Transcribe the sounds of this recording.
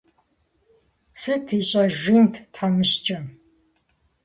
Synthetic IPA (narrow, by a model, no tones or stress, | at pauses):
sɨtʰiɕʼɐʒintʰtʰħanɨɕt͡ʃʼɐ